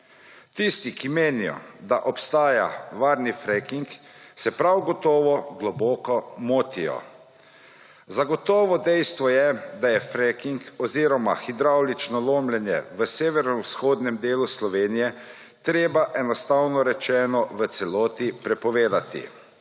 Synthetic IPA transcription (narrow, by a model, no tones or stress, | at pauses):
t̪ist̪ikimeːnijɔ̰d̪aʔɔpst̪aːja̰ʋaːɾnifɾɛkiŋk | sɛpɾawɡɔt̪ɔːʋɔɡlɔbɔːkɔmoːt̪ijɔ̰ | zaɡɔt̪ɔːʋɔd̪ɛjst̪ʋɔjɛd̪ajɛfɾɛkiŋkɔziːɾɔma̰xid̪ɾawlit͡ʃnɔloːmlɛnjɛ̰ʋəseːʋɛɾnɔwsxoːd̪nɛmd̪eːluslɔʋeːnijɛ | t̪ɾeːbaʔɛnɔst̪awnɔɾɛt͡ʃɛːnɔʋət̪sɛlɔːt̪ipɾɛpɔʋeːd̪at̪ḭ